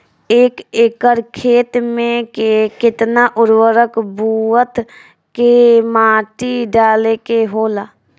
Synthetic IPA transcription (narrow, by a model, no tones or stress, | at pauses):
eːkekəɾkʰeːt̪mẽkekɪt̪naʔʊɾwəɾəkbʱuət̪ | kemaːʈiɖaːlekeɦoːlaː